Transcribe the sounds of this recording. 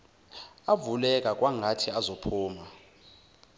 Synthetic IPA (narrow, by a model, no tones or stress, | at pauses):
avulɛkʼak̬ʼwaŋʱatʰiazopʰuːma